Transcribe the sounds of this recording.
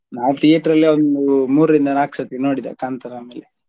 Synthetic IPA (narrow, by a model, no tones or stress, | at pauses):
naːwt̪ijɐʈɾɐlːiond̪umuːɾɾind̪ɐnaːksɐt̪inoːɽid̪ḛkaːnt̪ɐɾaːmeːle